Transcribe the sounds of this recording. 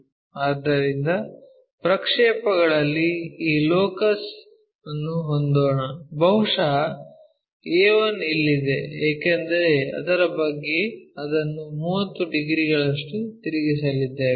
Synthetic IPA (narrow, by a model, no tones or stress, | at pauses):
aːd̪ːɐɾind̪ɐ | pɾɐkʂɛːpɐɡɐɭɐlːiiːloːkɐs | ɐnːuɦond̪oːɳɐbɐɦuʂɐɦɐ | eːʋɐnilːid̪e̞eːkend̪ɐɾeɐ̰d̪ɐɾɐbɐɡːeɐd̪ɐnːumuːwɐt̪ːuɖiɡɾiɡɐɭɐʂʈut̪iɾiɡisɐlid̪ːe